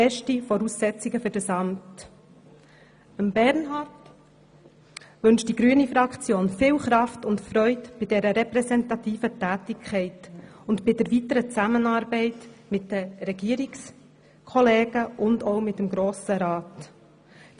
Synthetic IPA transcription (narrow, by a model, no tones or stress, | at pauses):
ɛʃtifɔɾuːsːɛt͡siɡəfʏɾdəsɑmt | əmbɛɾnɦɑrt | ʋɵnʃtd̥iɡ̥ɾyːənifɾɑkt͡sjoːnfɪːlχɾɑftʊntfɾœʏtb̥ɪdɛɾəɾɛpɾɛsɛntɑtiːfətæːtɪkʰχɛɪtʊntbɪdəɾvʋitəɾət͡sæmənɑːɾbɛɪtmɪt̚d̥əɾɛɡ̥iəɾiks | kʰɔleːɡ̥əʔʊndɔʊmɪtːəmɡɾoːsəɾɑːt